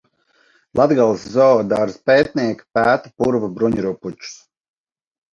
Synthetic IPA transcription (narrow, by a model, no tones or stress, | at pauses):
lˠad̪ɡalˠszɔːd̪aɾspɛːt̪̚nʲiɛkpæːt̪u̥puɾvabɾuɲɾuput͡ʃu̥s